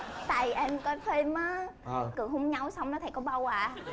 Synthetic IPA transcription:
t̪a̰ː˨˩jʔɛ˧mkɔ˨˦fe˧maː˨˦˧kɨ˨˩əhu˧˦ŋ͡mɲa˧wsa˧wŋ͡mnɔ˨˦t̪ʰa˨˧˩kɔ˨˦ɓaː˧wwaː˧˩

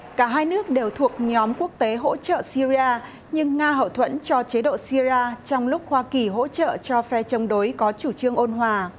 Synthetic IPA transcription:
kaː˧˩ɦaː˧jnɨ˦˥ək̚ɗe˨˩wt̪ʰu˨˩ək̚ɲɔ˨˦mku˦˥ək̚t̪e˨˦ɦo̰˧˥t͡ɕə̰ː˧˨si˧zi˧aː˧ | ɲɨ˧ŋːaː˧ɦə̰˧˨wt̪ʰwə̰˧˥nt͡ɕɔ˧t͡ɕe˨˦ɗo̰˧˨si˧zi˧aː˧t͡ɕɔ˧wŋ͡mlʊ˦˥k͡p̚hwaː˧ki˨˩ɦo̰˧˥t͡ɕə̰ː˧˨t͡ɕɔ˧fɛ˧t͡ɕə˨˦wŋ͡mɗo˨˦jkɔ˨˦t͡ɕu˧˩t͡ɕɨ˧əŋʔo˧nɦwaː˨˩

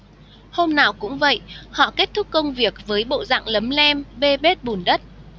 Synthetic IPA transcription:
ho˧mnaː˨˩wkʊ̰˧˥ŋ͡mvə̰˧˨jhɔ̰˧˨ke˦˥t̚t̪ʰʊ˦˥k̚ːkə˧wŋ͡mvi˨˩ək̚vəː˨˦jɓo̰˧˨za̰ː˧˨ŋlə˨˦mlɛ˧mɓe˧ɓe˦˥t̚ɓu˨˩nɗə˦˥t̚

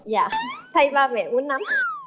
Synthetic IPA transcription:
jaː˧˩t̪ʰa˧jvaː˧˩mɛ̰˨˩ʔu˨˦ənːa˨˦m

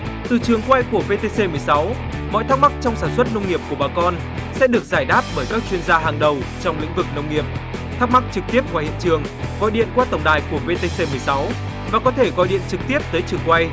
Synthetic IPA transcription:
t̪ɨ˨˩t͡ɕɨ˨˩əŋkwa˧jku˧˩əve˧t̪e˧se˧mɨ˨˩əjsa˨˦w | mɔ̰˧˨jt̪ʰa˦˥k̚ma˦˥k̚t͡ɕɔ˧wŋ͡msaː˧˩nswə˦˥t̚nə˧wŋ͡mŋi˨˩əp̚ku˧˩ɓaː˨˩kɔ˧n | sɛ̰˧˥ɗɨ˨˩ək̚zaː˧˩jɗaː˦˥p̚ɓəː˧˩jkaː˦˥k̚t͡ɕwi˧ənzaː˧ɦaː˨˩ŋɗə˨˩w | t͡ɕɔ˧wŋ͡mlḭ̈˧˥ŋ̟vɨ˨˩k̚nə˧wŋ͡mŋi˨˩əp̚t̪ʰaː˦˥k̚ma˦˥k̚t͡ɕɨ˨˩k̚t̪i˦˥əp̚kwaː˧˩hḭ˧˨ənt͡ɕɨ˨˩əŋ | ɣɔ̰˧˨jɗḭ˧˨ənkwaː˧t̪ə˨˩wŋ͡mɗaː˨˩jku˧˩əve˧t̪e˧se˧mɨ˨˩əjsa˨˦w | vaː˨˩kɔ˨˦t̪ʰe˧˩ɣɔ̰˧˨jɗḭ˧˨ənt͡ɕɨ˨˩k̚t̪i˦˥əp̚t̪əː˨˦jt͡ɕɨ˨˩əŋkwa˧j

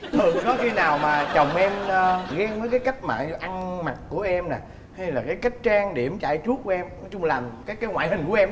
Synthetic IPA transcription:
hɨ˨˩kɔ˨˦xi˧naː˨˩wmaː˨˩t͡ɕə˨˩wŋ͡mʔɛ˧mː˧ɣɛ˨˧vəː˨˦jkaː˨˦jka˦˥jk̟̚ma̰ː˨˩˧ʔa˧ŋma˨˩t̚ku˧˩əʔɛ˧mna˨˩ | ha˧jlaː˨˩kaː˨˦jka˦˥k̟̚t͡ɕaː˧ŋɗi˧˩ə˦mt͡ɕa̰ː˧˨jt͡ɕu˦˥ət̚ku˧˦ʔɛ˧mnɔ˨˦t͡ɕʊ˧ŋ͡mlaː˨˩mkaː˨˦jkaː˨˦ŋwa̰ː˧˨jhï˨˩ŋ̟ku˧˩ʔɛ˧m

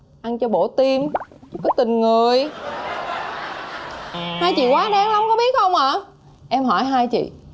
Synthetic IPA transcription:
ʔa˧nt͡ɕɔ˧ɓo̰˧˩t̪i˧m˦kɔ˨˦t̪ï˨˩ŋ̟ŋɨ˨˩əj | haː˧jt͡ɕḭ˧˨kwaː˨˦ɗaː˨˧ŋla˨˧˦wŋ͡mkɔ˨˦ɓi˦˥ət̚xə˧wŋ͡mʔaː˧˩ | ʔɛ˧mɦɔ˧˩jɦaː˧jt͡ɕḭ˧˨

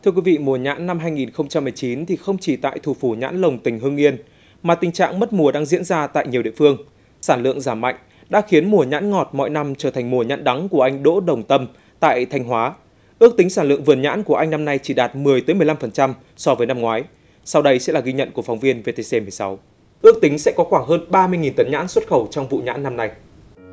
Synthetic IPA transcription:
t̪ʰɨ˧əkwi˨˦vḭ˧˨mu˨˩əɲa̰ː˧˥nːa˧mɦaː˧jŋi˨˩nxə˧wŋ͡mt͡ɕa˧mːɨ˨˩əjt͡ɕi˨˦nt̪ʰi˨˩xə˧wŋ͡mt͡ɕi˧˨˩t̪a̰ː˧˨jt̪ʰu˨˧˩fu˧˩ɲa̰ː˧˥nlə˨˩wŋ͡mt̪ï˨˩ŋɦɨ˧əŋʔi˧ən | maː˨˩t̪ï˨˩ŋ̟t͡ɕa̰ː˧˨ŋmə˦˥t̚mu˨˩əɗaː˧ŋzḭ˧˥ənzaː˧t̪a̰ː˧˨jɲi˨˩wɗḭ˧˨fɨ˧əŋ | saː˧˩nlɨ̰˧˨əŋzaː˧˩mːa̰˧˨jŋ̟ | ɗa̰ː˧˥xi˨˦ənmu˨˩əɲa̰ː˧˥nŋɔ˨˩t̚mɔ̰˧˨jna˧mt͡ɕəː˧˩t̪ʰŋ̟mu˨˩əɲa̰ː˧˥nɗa˨˦ŋku˧˩əʔa˧ŋ̟ɗo̰˧˥ɗə˨˩wŋ͡mt̪ə˧m | t̪a̰ː˧˨jt̪ʰa˧jŋ̟ɦwaː˨˦ | ʔɨ˦˥ək̚t̪i˨˦ŋsaː˧˩nlɨ̰˧˨əŋvɨ˨˩ənɲa̰ː˧˥nku˧˩əʔa˧jŋna˧mna˧jt͡ɕi˧˩ɗaː˨˩t̚mɨ˨˩əjt̪əː˨˦jmɨ˨˩jla˧mfə˨˩nt͡ɕa˧m | sɔ˧vəː˨˦jna˧mŋwaː˨˦j | sa˧wɗə˧jsɛ̰˧˥laː˨˩ɣi˧ɲə̰˧˨nku˧˩əfa˨˦wŋ͡mvi˧ənve˧t̪e˧se˧mɨ˨˩əjsa˨˦w | ʔɨ˦˥ək̚t̪ï˨˦ŋ̟sɛ̰˧˥kɔ˨˦xwaː˧˩ŋɦəː˧nɓaː˧mɨ˧əjŋi˨˩nt̪ə˨˦nɲa̰ː˧˥nswə˦˥t̚xə˧˩wt͡ɕɔ˧wŋ͡mvṵ˧˨ɲa̰ː˧˥nːa˧mna˧j

